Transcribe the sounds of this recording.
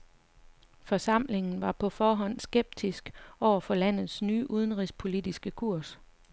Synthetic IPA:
fɒ̽sɑ̈m̰le̝ŋn̩ʋɑ̈pʰɒ̽fɒːɦɒ̽n̰sɡ̥eb̥̚d̥ʰisɡ̥ɒʊ̰ɐfɒ̽læn̰ð̞̩ˠsnyːʔuð̞ˠən̩ʁispʰo̝lid̥isɡ̥əkʰuɐ̰s

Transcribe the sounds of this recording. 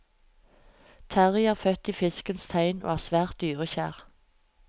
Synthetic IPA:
t̪ʰæʁɪɑːfœt̪iːfɪskənst̪ʰæɪno̰ːhæːʁsʋæːʁt̪̚d̪yːʁəçæ̰ːʁ

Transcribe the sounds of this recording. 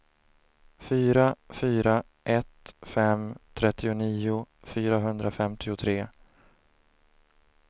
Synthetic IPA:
fyːɾafyːɾa | ʔɛt̪fɛmt̪ʰɾɛt̪ːɪʊniːʊfyːɾaɦɵnd̪ɾafɛmt̪ʰɪʊt̪ʰɾeː

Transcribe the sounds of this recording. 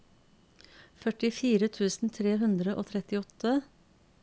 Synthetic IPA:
fœʈɪfiːɾət̪ʰʉːsn̩t̪ʰɾeːhʉnd̪ɾəʔo̰ːt̪ʰɾɛt̪ɪɔt̪ə

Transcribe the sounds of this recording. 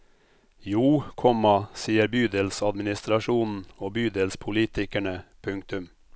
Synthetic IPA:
juːkʰɔmɑsiːəɾbyːd̪ɛlsɑd̪mɪnɪst̪ɾɑʃuːnn̩oːbyːd̪ɛlspʰʊliːt̪ɪkæɳəpʰʉŋk̚t̪ʉm

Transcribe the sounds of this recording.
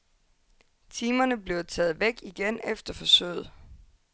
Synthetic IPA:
t͡sʰiːmɐnəb̥le̝ʊt͡sʰɛːð̩ˠʋeɡ̥iɡ̥enefd̥ɐfɒ̽sø̰ːð̩ˠ

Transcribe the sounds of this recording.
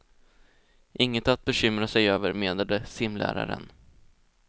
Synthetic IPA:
ʔɪŋːət̪at̪̚bɛɕʏmɾasɛjøːvəɾmeːd̪ad̪əsɪmlʔæ̰ːɾa̰ɾə̰n

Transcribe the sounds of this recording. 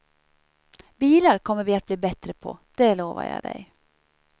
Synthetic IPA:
biːləɾkʰɔməɾʋiːɑt̪̚bliːbɛt̪ɾəpʰo̰ːd̪̥eːloːʋə̰ɾjæ̰ɪd̪æ̰ɪ

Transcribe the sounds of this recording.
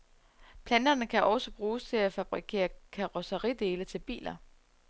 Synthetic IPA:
pʰlænd̥ɐnəkʰæʔɒ̽səb̥ʁuːst͡sʰe̝læfæb̥ʁikʰe̝̰ːɐkʰɑʁɒsəʁid̥e̝ːlət͡sʰe̝lb̥ḭːlɐ

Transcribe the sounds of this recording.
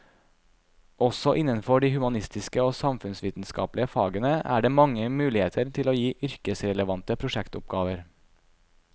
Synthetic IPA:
ʔɔsɔʔɪnːənfɔɖiːhʉmɑnɪst̪ɪskəoːsɑmfʉnsʋiːt̪n̩skɑ̰ːplɪəfɑ̰ːɡənəʔæ̰ːɖeːmɑŋːəmʉːlɪheːt̪ʰəɾt̪ʰɪloːjiːʔʏɾkəsɾɛləʋɑnt̪əpʰɾʊʂɛkt̪ʊp̚ɡɑːʋəɾ

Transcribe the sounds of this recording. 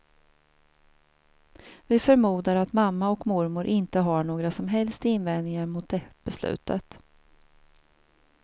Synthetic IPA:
vɪfœɾmuːd̪aɾat̪mamːaɔkmʊɾmʊɾʔɪnt̪əɦaɳoːɡɾasɔmɦɛlst̪ɪnːvɛnnɪŋaɾmʊt̪̚d̪ɛb̥ɛslʉ̰ːt̪ə̰t̪

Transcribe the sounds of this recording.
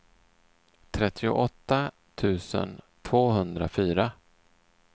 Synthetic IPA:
t̪ʰɾɛt̪ʰːɪʊ̰ʔɔt̪ːa | t̪ʰʉ̟ːsə̰n | t̪ʰvoːɦɵnd̪ɾa̰fyːɾa

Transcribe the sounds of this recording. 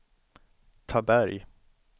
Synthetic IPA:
t̪ʰabæɾj

